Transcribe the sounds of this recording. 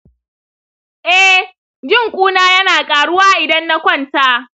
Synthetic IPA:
ʔɛ˦ | d͡ʒɪ˦ŋkʷʼuː˦naː˦jɐ˦naː˨kʼaː˨ɽʊ˦waː˦ʔɪ˨dɐ˦nːa˦kʷɔ˦˨nta˦

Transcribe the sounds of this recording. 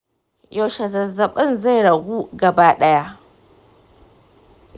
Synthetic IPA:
jo˨ʃɐ˨zɐ˨zːɐ˨ɓɐ˦nza˦˨jɽɐ˨ɡʷuː˦ɡɐ˨baː˦ɗɐ˦ja˦ʔ

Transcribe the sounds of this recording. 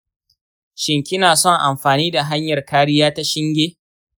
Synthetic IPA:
ʃɪ˨ŋkʲɪ˦naː˨sɔ˦˨ŋʔa˨mɸaː˨niː˦da˨ɦa˦ɲjɐ˨rkaː˦ɽɪ˦jaː˦ta˦ʃɪ˦ŋɡʲeː˦

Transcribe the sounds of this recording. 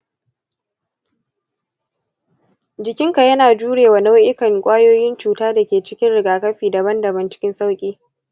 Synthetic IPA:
d͡ʒɪ˨kʲɪ˦ŋka˨jɐ˦naː˨d͡ʒuː˦ɽeː˨waː˨na˦wʔɪ˦kɐ˨ŋkʷʼaː˦joː˦jɪ˦nt͡ʃuː˨taː˦da˨kʲeː˨t͡ʃɪ˦kʲɪ˦nɽɪ˨ɡaː˨kɐ˦ɸiː˨dɐ˨bɐ˦ndɐ˨bɐ˦˨nt͡ʃɪ̥˦kʲɪ˦nsa˦wkʲʼiː˦

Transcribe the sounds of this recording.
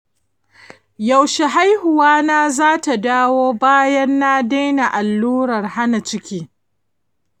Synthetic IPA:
ja˨wʃe˨ɦa˦jhʊ˨waː˦naː˦zaː˦ta˨daː˦woː˦baː˦jɐ˦nːa˦da˦jna˨ʔa˨lːuː˦ɾɐ˨rha˦na˨t͡ʃɪ˦kʲiː˦

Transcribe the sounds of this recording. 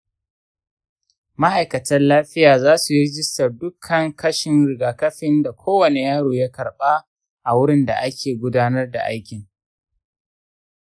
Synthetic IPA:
ma˦ha˨jkɐ˨tɐ˦nlaː˦ɸɪ˦jaː˨zaː˦su˨jɪ˦ɾɪ˦d͡ʒɪ˦stɐ˨rdʊ˦kʰːɐ˨ŋkɐ˦ʃɪ˨nɾɪ˨ɡaː˨kɐ˦ɸɪ˦nda˨kʷʰoː˦wɐ˨ne˨jaː˦ɽoː˨ja˦kɐ˨ɽɓaː˦ | ʔa˨wʊ˦ɽɪ˦nda̰˨ʔa˦kʲʰeː˨ɡʷʊ˦daː˦nɐ˦rda̰˨ʔa˦jkʲɪ˨ŋ

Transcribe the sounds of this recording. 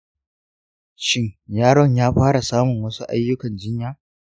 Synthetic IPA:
ʃɪ˦ŋjaː˦ɽɔ˦ɲjaː˦ɸaː˦ɽa˨saː˦mʊ˨ŋwɐ˦su˦ʔa̰˦jːʊ˦kɐ˨nd͡ʒɪ˦ɲjaː˦

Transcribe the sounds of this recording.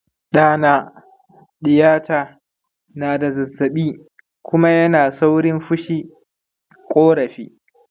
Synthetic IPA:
ɗaː˦naː˦ | ɗɪ˨jaː˦taː˨ | naː˨da˨zɐ˨zːɐ˨ɓiː˦ | kʷʊ˦ma˦jɐ˦naː˨sa˦wɽɪ˦mɸʊ˦ʃiː˦ | kʷʼoː˦ɽɐ˨ɸḭː˦

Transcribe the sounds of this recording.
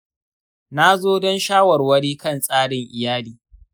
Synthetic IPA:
na˦zoː˦dɔ˦nʃaː˦wɐ˨rwɐ˦ɽiː˦kɐ˦˨nsʼaː˦ɽɪ˨ŋʔɪ˨jaː˦liː˨

